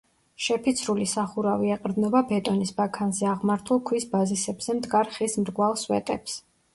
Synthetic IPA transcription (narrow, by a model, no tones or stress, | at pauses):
ʃɛpʰit̪sʰɾulisaχuɾaviɛqʼɾd̪nɔbabɛt̪ʼɔnisbakʰanzɛaʁmaɾt̪ʰulˠkʰwisbazisɛbz̥ɛmd̪ɡaɾχismɾɡwalˠswɛ̰t̪ʼɛps